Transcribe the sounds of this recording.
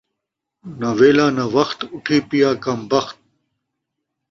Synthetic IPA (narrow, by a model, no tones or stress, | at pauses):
naweːlaːnawɐxt̪uʈʰiːpijaːkɐmbɐxt̪̚